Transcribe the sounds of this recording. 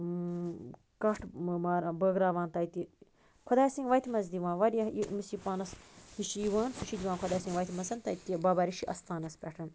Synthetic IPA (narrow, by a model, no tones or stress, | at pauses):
kɐʈʰmaːɾbəɡɾaːʋaːnt̪ɐjt̪i | kʰod̪aːjsiŋɡʋɐjt̪imɐzd̪iʋãːnʋɐɾiɐimisipaːnɐshiʃijiʋaːnsʰuʃid̪iʋãːnkʰod̪aːsĩŋɡʋɐːjt̪imɐzɐnt̪ɐt̪ibabaɾiʃiʔɐst̪aːnɐspʲɛʈʰɐn